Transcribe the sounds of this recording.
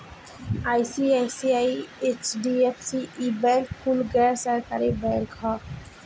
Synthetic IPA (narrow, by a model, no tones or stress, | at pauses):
ajsiasiaiet͡ʃɖiepʰsiʔibɛ̃lkpʰulɡɛːɾsəɾkaɾibɛlkʰɔ